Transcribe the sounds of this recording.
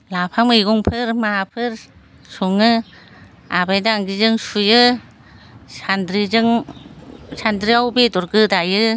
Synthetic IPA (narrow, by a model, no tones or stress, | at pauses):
lapʰamɯjɡɔŋpʰɯɾmaɦapʰɯɾ | suŋɯ | abajdaaŋɡizɯŋsujɯ | sandɾizɯŋ | sandɾiawbedɔɾɡɯdajɯ